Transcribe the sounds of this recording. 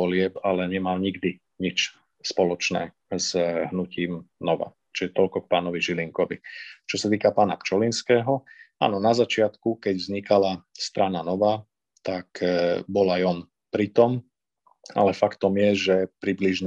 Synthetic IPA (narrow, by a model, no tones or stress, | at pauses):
ɔlɪɛpalɛɲɛmalɲiɡd̪i | ɲit͡ʃ | spɔlɔt͡ʃnɛ̰ː | zɦnuciːmnɔʋa̰ | t͡ʃiɛt̪ɔlkɔk̚paːnɔʋiʒiliŋkɔʋit͡ʃɔsat̪iːkapaːnakt͡ʃɔlinskɛːɦɔa̰ːnɔnazat͡ʃɪat̪kukɛɟvzɲikalast̪ɾananɔʋaː | t̪akbɔlajɔn | pɾit̪ɔm | a̰lɛfakt̪ɔmjɛʒɛpɾibliʒɲ